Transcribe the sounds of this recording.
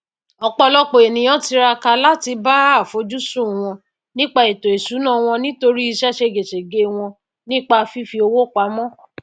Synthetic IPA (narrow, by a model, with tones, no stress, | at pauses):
ɔ˧k͡pɔ˧lɔ˦k͡po˨e˨nĩ˨j̃ɔ̃˦ti˧˦ɾa˧ka˧la˦ti˧ba˦˨fo˨˦d͡ʒu˦sũ˦˨w̃ɔ̃˧ | nĩ˦k͡pa˧e˨to˨e˨su˨˦nã˦˨w̃ɔ̃˧nĩ˦to˧ɾi˦i˧ʃɛ˦ʃe˧ɡe˨ʃe˨ɡe˦w̃ɔ̃˧ | nĩ˦k͡pa˧fi˦fi˧o˧wo˦˨k͡pa˨˦mɔ̃˦˨